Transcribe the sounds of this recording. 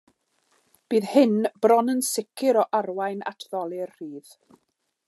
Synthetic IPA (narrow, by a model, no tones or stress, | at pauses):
b̥iːðhɪnb̥rɔnənsɪkʰɪɾɔʔarwajna̰tʰðɔlˠɪrriːð̥